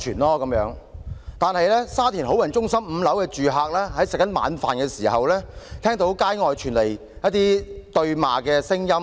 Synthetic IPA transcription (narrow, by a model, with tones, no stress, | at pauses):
t͡ʃʰyː˨˩nlɔː˥kɐ˨˥mjœ̰ː˨˥ŋt̪aː˨nhɐ˨jlɛː˥saː˥t̪ʰiː˨˩nɦo˨˥wjɐ˨˩nt͡ʃʊ˥ŋsɐ˥mm̩˨˧lɐ˨˥wkɛː˧t͡ʃyː˨ɦaː˨˧k̚lɛː˥ɦɐ˨˥jsɪ˨k̚ːɐ˨˥nma̰ː˨˥nfa̰ː˨nkɛː˧siː˨˩hɐ˨wlɛː˥t̪ʰɛː˥ŋt̪o˨˥wkaː˥jŋɔː˨jt͡ʃʰyː˨˩nle˨˩j | jɐ˥t̚t̪iː˥t̪ɵ˧ɥma̰ː˨kɛː˧sɪ˥ŋjɐ˥m